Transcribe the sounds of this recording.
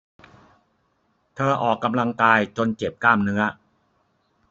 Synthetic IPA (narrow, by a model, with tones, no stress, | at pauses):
t̪ʰɤː˧ʔɔː˨˩kːa˧mla˧ŋkaː˧jt͡ɕo˧nt͡ɕe˨˩p̚kaː˥˩mnɯ˦˥ɐ